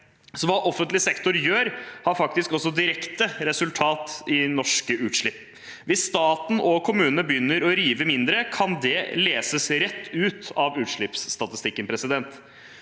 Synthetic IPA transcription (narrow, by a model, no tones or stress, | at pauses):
sɔʋɑːʔɔfənt̪lɪsɛkt̪ʊɾjøːɾhɑɾfɑkt̪ɪskɔsːɔd̪ɪɾɛkt̪əɾɛsʉlt̪ʰɑːt̪ɪnɔʂkəʔʉːt̪ʂɭɪpː | ʋɪsːt̪ɑːt̪n̩ʔɔkʰʊmʉːnəəbjʏnːəɾɔɾiːʋəmɪnd̪ɾəkʰɑnd̪ɛleːsəsɾɛt̪ʰːʉːt̪ɑʋʉːt̪ʂɭɪpsːt̪ɑt̪ɪst̪ɪkːənpʰɾɛsɪd̪ɛnt̪